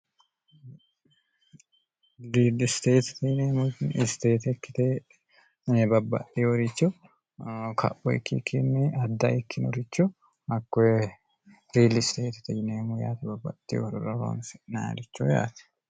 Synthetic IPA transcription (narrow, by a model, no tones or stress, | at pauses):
ɾiːlɪst̪eːt̪t̪ɐjneːmunɪst̪eːt̪ɛkːɪt̪eː | bɐbɐ̰tːiːɔɾɪt͡ʃːɔ | kʰɐ̰pːɔɪkːikʰːɪnːɪɐd̪ːaɪkʰːɪnɔ̰ɾɪt͡ʃːʊ | ɐkː | ɾiːlɪst̪eːt̪t̪ɐjneːmujaːt̪ɛbɐbːɐ̰t̪ːɪ̰joɾʊɾɐɾo̰ːnsɛnaːɾɪt͡ʃːoja̰ːt̪ɛ̥